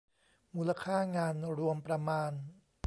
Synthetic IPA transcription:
muː˧la˧kʰaː˥˩ŋaː˧nɾu˧əmpɾa˧maː˧n

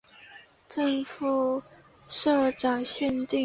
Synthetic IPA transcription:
ʈ͡ʂə˥˧ŋfu˨˩ | ʂɤ˥˩ʈ͡ʂa˨˩ŋɕjɛ˥˧nt̪i˥˧

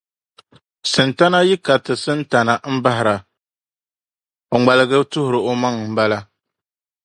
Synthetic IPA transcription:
sɨ˨nta˦na˦ji˦ka˨tɨ˨sɨ˦nta˨na˨m̩˦ba˦ɦɪ˨ɾa˨ | o˨ŋ͡ma˨lɨ˨ɡɨ˦tʊ˦hʊ˨ɾɨ˨o˦ma˦ŋ˨m̩˨ba˦la˦

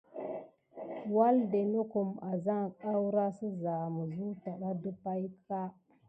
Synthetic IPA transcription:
wa˦lde˨no˦ku˨ma˨za˦ŋ˨ka˦wɾa˦sə˦za˨mu˨zu˦ta˨ɗa˦du˦pa˦jka˦

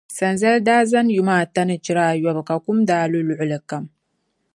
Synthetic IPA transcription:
sɐ˨nzɐ˦lda˦zɐ˦nju˨ma˨tɐ˦nɨ˨t͡ʃi˦ɾaː˦˨jɔ˨bka˨ku˦mdaː˨lu˦lu˨ʕʊ˨lɨ˨kːɐ˨m

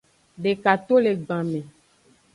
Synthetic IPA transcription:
ɖe˨ka˨t̪o˦le˨ɡ͡bã˨mẽ˨

